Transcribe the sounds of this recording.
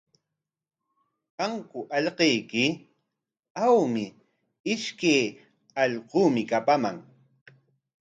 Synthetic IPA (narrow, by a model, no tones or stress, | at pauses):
paŋkʊʔɑʎqejkɪ | awmɪ | ɪʃkej | ɑʎquːmɪkapamaŋ